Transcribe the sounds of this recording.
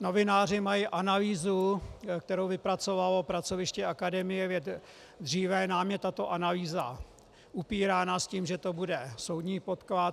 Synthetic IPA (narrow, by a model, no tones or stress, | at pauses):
no̞vɪnaːr̝ɪmajiʔanaliːzuk̚t̪ɛɾowvɪpɾat͡so̞valopɾat͡so̞vɪʃcɛʔakadɛmɪjɛvjɛt̪ | d̪riːvɛnaːmjɛt̪at̪o̞ʔanaliːza̰ | ʔupiːɾaːnasciːmʒɛt̪o̞budɛso̞wdɲiːpo̞t̪kla